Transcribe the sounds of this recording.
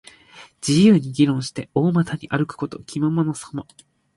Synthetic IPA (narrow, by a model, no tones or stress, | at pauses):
d͡ʑijɯ̟ːɲ̟iɡʲiɾõ̞ɰ̃ɕi̥t̪e̞o̞ːmat̪aɲ̟iʔaɾɯ̟kɯ̟̥ko̞t̪o̞̰kʲimamonosomo